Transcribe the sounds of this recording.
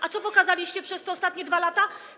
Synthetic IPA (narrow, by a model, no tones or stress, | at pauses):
ʔat̪sɔpɔkazalʲiɕt͡ɕɛpʂɛst̪ɛɔst̪at̪ɲɛd̪valat̪a